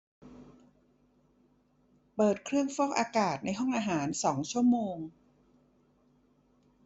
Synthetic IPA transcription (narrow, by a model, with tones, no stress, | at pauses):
pɤː˨˩t̪̚kʰɾɯ˥˩əŋfɔː˥˩k̚ʔaː˧kaː˨˩t̪̚na˧jɦɔ˥˩ŋʔaː˧ɦaː˩˦nsɔː˩˦ŋt͡ɕʰu˥˩əmoː˧ŋ